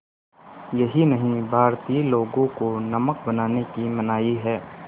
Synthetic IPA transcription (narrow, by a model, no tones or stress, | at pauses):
jɐɦinɐɦĩbʱaːɾt̪iloːɡõkonɐmək̚bɐnaːnekimɐnaːiɦɛː